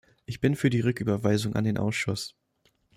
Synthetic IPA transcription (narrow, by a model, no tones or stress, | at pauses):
ʔɪçb̥ɪnfyːɐdiːʁʏkʔyːbɐvaɪzʊŋʔa̰ndeːnʔa̰ʊsʃʊs